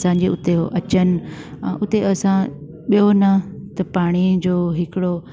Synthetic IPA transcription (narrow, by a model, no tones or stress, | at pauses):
sãːɲ̆d͡ʑeʊt̪eɦoʔɐt͡ɕənɪ̰̆̃ː | ʔʊt̪eʔɐsã | ɓijonɐt̪ɐpaːɽ̃id͡ʑoːɦɪkɪɽo